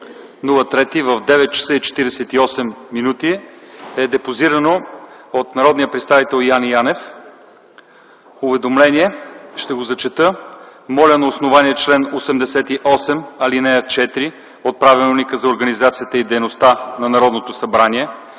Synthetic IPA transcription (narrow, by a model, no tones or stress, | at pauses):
nulˠət̪ɾɛt̪ivɐvd̪ɛvɛt̪̚t͡ʃɐ̥sɤit͡ʃɛ̥t̪iɾɛsɛt̪iɔsɛmːinut̪iɛd̪ɛpoziɾɐnoot̪nɐɾɔd̪nijəpɾɛt̪st̪avit̪ɛlˠjanjanɛf | ʊvɛd̪omlɛniɛʃt̪ɛɡozɐt͡ʃɛt̪əmɔlʲɐnɐosnovaniɛt͡ʃlɛnosɛmd̪ɛsɛt̪iʔɔsɛmɐlinɛjɐt͡ʃɛt̪iɾi | ot̪̚pɾavillˠnikəzɐoɾɡɐnizat̪siət̪əid̪ɛjnost̪anɐnɐɾɔd̪not̪osɐbɾaniɛ